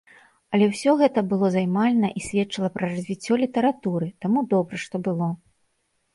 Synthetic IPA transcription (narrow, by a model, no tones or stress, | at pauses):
ɐlʲɛwsʲɔɣɛt̪ɐbɨlˠɔzajmalʲnɐʔisʲvʲɛt̪t͡ʂɨlˠɐpɾɐrɐzʲvʲit͡sʲːɔlʲit̪ɐɾat̪uɾɨt̪amud̪ɔbɾɐʂt̪ɔbɨlˠɔ